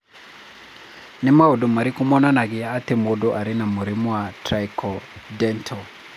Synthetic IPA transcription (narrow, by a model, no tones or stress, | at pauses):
nɛmaudomaɾikumɔnanakɪaːtemodɔʔaɾinamuɾimwatrajkɔdɛntʰɔ